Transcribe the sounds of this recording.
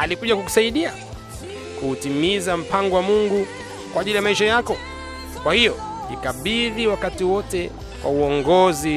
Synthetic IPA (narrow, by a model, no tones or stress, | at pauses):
alikuʄakuku̥saiɗia | kutimizam̩paŋɡɔwamuŋɡu | kwaːʄilijamaiʃajakɔ | kwahijɔ | ḭkaɓiðiwakatiwɔtɛ | wʔa̰uɔŋɡɔzi